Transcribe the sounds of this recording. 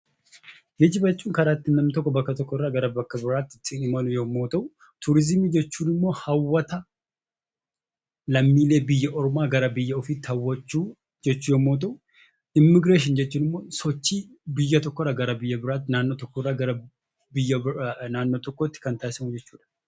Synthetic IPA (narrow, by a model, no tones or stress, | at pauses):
hɪd͡ʒɪbɐt͡ʃʼːuːŋkɐɾaːt̪ːɪnɐmːɪt̪ɔkːɔbɐkːɐt̪ɔkːɔrːaːɡɐɾɐbɐkːɐbɪɾaːt̪ːɪt̪ʼːɪnɪmɐlʊjoːmːo̞ːt̪ʼɐʊ | t̪ʰʊɾɪzɪmiːd͡ʒɛt͡ʃːuːnɪmːo̞ːhɐwːɐt̪ɐ | lɐmːiːleːbɪjːɐʔɔɾɔmaːɡɐɾɐbɪjːɐɔfit̪ːhɐwːɐt͡ʃːuː | d͡ʒɛt͡ʃːuːjoːmːoːt̪̬ʼɐʊ | ɪmːɪɡɾeːʃ̬ɪnd͡ʒɛt͡ʃːuːnɪmːo̞ːsɔt͡ʃːiː | bɪjːɐt̪ɔkːɔrːaːɡɐɾɐbɪjːɐbɪɾaːt̪ːnaːnːot̪ɔkːɔrːaːɡɐɾɐ | bɪjːɐnaːnːot̪ɔkːɔt̪ːɪ̥kɐnt̪aːjɪsɐmʊd͡ʒɛt͡ʃːuːᶑ̪ɐ̥